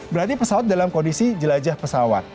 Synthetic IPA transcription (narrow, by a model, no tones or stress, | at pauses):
bəɾart̪ipəsawat̪̚dalamkɔndisid͡ʒəlad͡ʒahpəsawa̰t̪̚